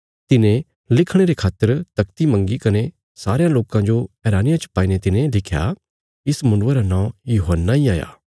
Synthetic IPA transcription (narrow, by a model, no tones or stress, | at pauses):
t̪ɪnẽ | lɪkʰɽ̃eɾekʰaːt̪ːəɾt̪ɐkt̪imɐ̃ŋɡikɐne | saːɾejãloːkãd͡ʒoɛːɾaːnɪjãt͡ʃə̥paːinet̪ɪnẽlɪkʰja̰ | ɪsmʊ̃nːeɾanãːjuːɦənːaiaːja̰ː